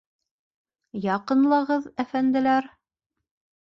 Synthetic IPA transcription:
jɑqɤ̆nlˠɑʁɤðæfænd̪ɘ̆læɾ

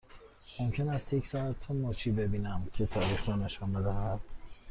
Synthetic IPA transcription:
momcʰe̞næst̪jecʰsɒæt̪ʰːonoːt͡ʃʰiːbe̞biːnæmcʰe̞t̪ʰɒːɾiːxɾɔne̞ʃɔnbe̞d̪æɦæd̪̥

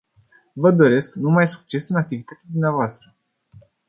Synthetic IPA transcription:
vəd̪o̞ɾe̞sknumajsu̥k̚t͡ʃe̞sɨnak̚t̪ivit̪at̪ad̪umneavoast̪ɾə

